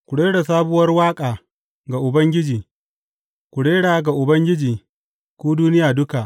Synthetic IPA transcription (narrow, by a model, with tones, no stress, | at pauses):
kʷʊ˨ɽeː˦ɽa˨saː˦bʊ˦wɐ˦rwaː˦kʼaː˨ | ɡa˨ʔʊ˨bɐ˦ŋɡʲɪ˦d͡ʒiː˨ | kʷʊ˨ɽeː˦ɽaː˨ɡa˨ʔʊ˨bɐ˦ŋɡʲɪ˦d͡ʒiː˨ | kʷoː˦duː˦nɪ˦jaː˨dʊ˦ka˨ʔ